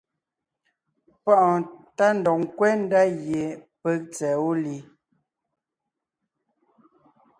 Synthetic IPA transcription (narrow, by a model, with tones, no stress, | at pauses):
pɔ˦˨ʔta˦n̩˨dɔ˨ŋ̩˨kwɛ˦n̩˦da˦ɣje˨pɛ˦k̚t͡sɛ˨o˦li˨˦